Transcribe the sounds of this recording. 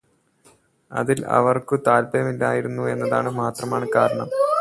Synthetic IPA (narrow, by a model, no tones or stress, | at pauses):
ɐ̰ðilɐ̰ʋɐrkɨt̪aːlbɐjɐmilːa̰ːjiɾunːue̞nːɐðaːɳɨmaːt̪rɐmaːɳɨkaːɾɐɳɐm